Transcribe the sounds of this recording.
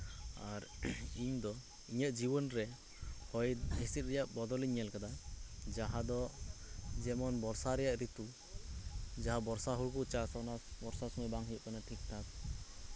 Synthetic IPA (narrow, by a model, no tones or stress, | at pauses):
aɾiɲd̪ɔ | iɲət̪̚ˀd͡ʒibɔnɾɛ | hɔjesit̪̚ˀɾɛjaʔbɔd̪ɔliɲɛlkad̪ad͡ʒaɦad̪ɔ | d͡ʒɛmɔnbɔɾsaɾɛjaʔɾit̪u | d͡ʒaɦabɔɾsaɦuɾkɔʔt͡ʃasanabɔɾsasɔmɔbaŋɦikɔnaʈʰik̚t̪ʰak̚